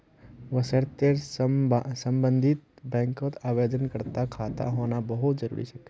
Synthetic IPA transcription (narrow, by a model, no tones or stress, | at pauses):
ʋəsəɾt̪eɾssə̃mbə̃nd̪ʱɪt̪̚bɛ̃ːŋkot̪aːʋeːd͡ʒ̪ənkəɾt̪akʰaːt̪a̰ɦoːnabɐɦʊt̪zəɾṵːɾḭsɐk